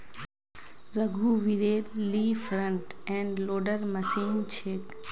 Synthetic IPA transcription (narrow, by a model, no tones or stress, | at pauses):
ɾəɡʱuʋiɾeːɾliːfʰɾə̃ɳʈɛ̃ɳɖloːɖəɾməsĩnt͡ʃʰeːk